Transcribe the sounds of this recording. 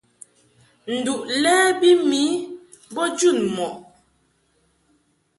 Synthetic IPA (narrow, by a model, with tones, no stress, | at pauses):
n̩˨du˨ʔlɛː˦bi˦mi˨˦ | bɔ˦d͡ʒu˦˨nmɔ˨ʔ